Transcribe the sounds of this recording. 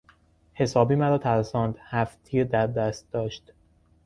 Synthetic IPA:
he̞sɒːbiːmæɾɒːt̪ʰæɾsɒːnd̪hæft̪ʰiːɾd̪æɾd̪æːst̪̚d̪ɒːʃt̪

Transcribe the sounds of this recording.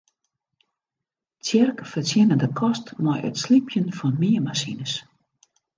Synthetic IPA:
t͡sjɛrkfərtjɪnədəkʰɔstmɔjə̰tslipʰjənfɔnmiəmasinəs

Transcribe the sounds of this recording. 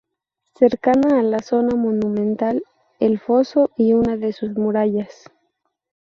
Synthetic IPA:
se̞ɾkanaːlaso̞namonũmẽ̞nt̪al | elfo̞so̞iunaðe̞suzmuɾaʝas

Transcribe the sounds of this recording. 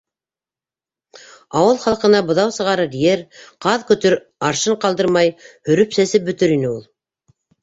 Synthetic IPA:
ɑwɤlˠχɑlˠqɤ̆nɑbŏðɑwsɤ̆ʁɑɾɤɾjeɾqɑðkɵ̆t̪ɵɾ | ɑɾʃɤɴqɑlˠd̪ɤɾmɑjhɵ̆ɾɵpsæsɘp̚bɵ̆t̪ɵɾinɘulˠ

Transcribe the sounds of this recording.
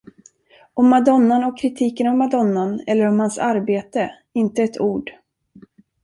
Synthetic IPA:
ɔmːad̪ɔnːanɔkʰɾɪt̪ʰiːkənɔmːad̪ɔnːanɛlːəɾɔmhansaɾbeːt̪ə | ɪnt̪əɛt̪ʰuːɖ

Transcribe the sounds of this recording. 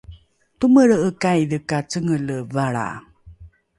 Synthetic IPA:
tuməɭəkajdəkat͡səŋələvaɭa̰

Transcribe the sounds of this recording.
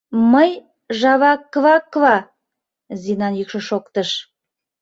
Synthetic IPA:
məj | ʒɑβɑkːβɑkːβɑ | zinɑnjykʃəʃokt̪əʃ

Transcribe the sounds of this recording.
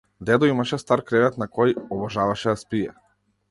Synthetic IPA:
d̪ɛd̪ɔimaʃɛst̪aɾkɾɛvɛt̪nakɔjɔbɔʒavaʃɛd̪aspijɛ

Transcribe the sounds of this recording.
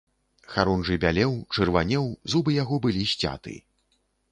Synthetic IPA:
xaɾɔnʐɨbʲalʲɛwt͡ʂɨrvanʲɛwzubɨjaɣɔbɨlʲiɕʲt͡sʲa̰t̪ɨ̰

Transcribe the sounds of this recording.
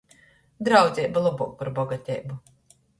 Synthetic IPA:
d̪ɾawd̪zʲɛjbalˠɔbṵːk̚paɾbɔɡat̪ʲɛ̰jbu

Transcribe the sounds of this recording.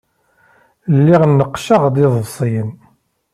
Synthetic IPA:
lːiʁnːəqːʃəʁd̪iðˤəsˤijən

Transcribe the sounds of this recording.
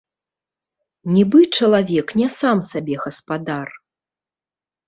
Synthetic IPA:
nʲibɨt͡ʂɐlˠavʲɛknʲɛsamsabʲɛɣɐspad̪ar

